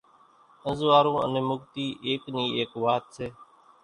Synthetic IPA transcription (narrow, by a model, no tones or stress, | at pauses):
ə̃nzʋaːɾõːə̰nẽːmʊɡt̪iːʔeːkniːeːkʋaːt̪seː